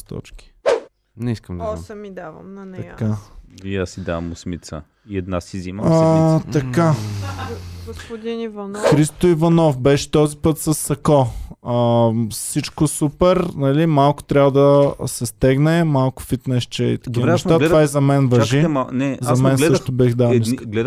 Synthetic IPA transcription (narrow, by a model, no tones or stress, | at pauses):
t̪ɔ̰t͡ʃki̥ | nɛiskəmd̪mid̪avɐmnt̪ɐkaiasid̪a̰vɐmʊsmit̪sə̰ | iɛd̪nasiziməat̪ɐka | ɡd̪inivnxɾist̪oivɐnɔfbɛʃɛ̥t̪ɔzipɤt̪sɐsːɐkɔəsit͡ʃkosupɛɾnɐlimalˠkʊ̥t̪ɾʲavəd̪ɐsɛst̪ɛɡnɛmalˠkʊ̥fit̪nɛʃt͡ʃɛḭt̪ɐ̥d̪iɾɛɐʃt̪atɛvaizɐmɛnvɐʒiɛmanɛzɐmɛnslɛəʃt̪ʊbɛxd̪aiskɡlɛ